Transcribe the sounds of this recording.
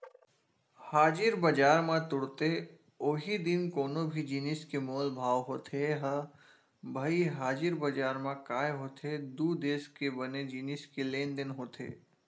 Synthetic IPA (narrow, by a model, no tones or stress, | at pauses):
haːd͡ʒɪɾbɐd͡ʒaːɾmãt̪ʊɽt̪e | oːɦid̪ɪnkoːnõbʱid͡ʒiːnɪskemoːlbʱaːʋɦoːt̪ʰeɦə | bʱaiɦaːd͡ʒɪɾbɐd͡ʒaːɾmãkaːeɦoːt̪ʰed̪uːd̪eːskebɐned͡ʒiːnɪskeleːnd̪ɪnɦoːt̪ʰḛː